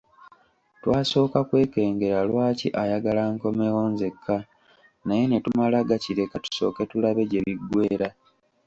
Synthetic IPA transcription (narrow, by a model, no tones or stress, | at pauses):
twaːso̞ːkakwe̞ːke̞ːŋɡe̞ɾalwaːcḭʔajaɡalaŋko̞meɣo̞ːnze̞kʰːa | naje̞ne̞tumalaɡaciɾe̞katu̥so̞̰ːke̞tulaβe̞ɟe̞βiɡwe̞ːɾa